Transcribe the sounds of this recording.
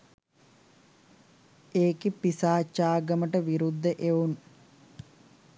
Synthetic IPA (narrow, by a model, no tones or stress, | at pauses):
eːkipisaːt͡ʃːaːɡəməʈəʋiɾud̪ːəʔeun